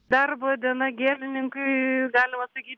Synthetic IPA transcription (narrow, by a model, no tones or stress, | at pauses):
d̪ɐrbɨɐd̪ʲiɛnɐɡʲeːlʲɪnʲɪŋkʊɪɡɑːlʲɪmɐsɐkʲiːt̪ʲ